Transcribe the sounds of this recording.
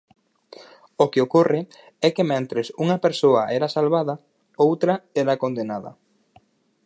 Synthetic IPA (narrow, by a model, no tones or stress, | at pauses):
okeokorɪ | ɛkemɛ̃nt̪ɾesuŋɐpeɾsoɐʔɛɾɐsalβaðɐ | owt̪ɾɐɛɾakond̪enaðɐ̰